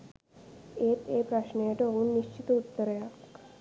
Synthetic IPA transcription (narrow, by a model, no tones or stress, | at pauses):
eːt̪ʰeːpɾɐʃnejaʈoɦuːnːiʃt͡ʃit̪əut̪ːəɾjak